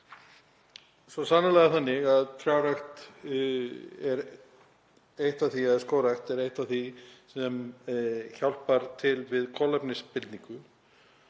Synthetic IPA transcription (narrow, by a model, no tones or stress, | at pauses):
sɔsaːnːalɛɣaθanːɪɣaðt̪ʰɾjawɾajxt̪ | ɛɾ | ejht̪aθiɛðskoːwɾajxt̪ɛɾejht̪aθisɛm | çawl̥paɾt̪ʰɪlvɪðkʰɔlapnɪspɪlt̪niŋkʏ